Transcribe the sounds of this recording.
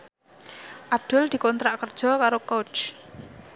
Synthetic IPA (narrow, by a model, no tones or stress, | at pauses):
ʔab̚d̪̥ʊld̪̥i̤kɔnt̪ɾaʔkərd̥ʒ̥ɔ̤kaɾokot͡ʃ